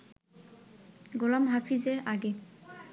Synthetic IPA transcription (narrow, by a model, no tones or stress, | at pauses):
ɡolɔmɦɔpʰizeɹaɡe